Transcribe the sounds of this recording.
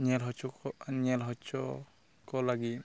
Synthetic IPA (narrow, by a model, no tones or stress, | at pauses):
nɛlɦɔt͡ʃɔnɛlɦɔt͡ʃɔ | kɔlaɡi